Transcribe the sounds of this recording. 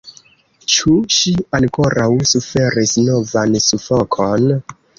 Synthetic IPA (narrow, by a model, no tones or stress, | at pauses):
t͡ʃuʃianko̞ɾʔawsufe̞ɾisno̞vansufokʰo̞n